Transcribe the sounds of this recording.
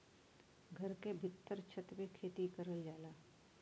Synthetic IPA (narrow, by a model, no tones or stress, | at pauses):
ɡʱəɾkebʱɪt̪ːəɾt͡ʃʰət̪ʋekʰeːt̪ikəɾəld͡ʒaːlaː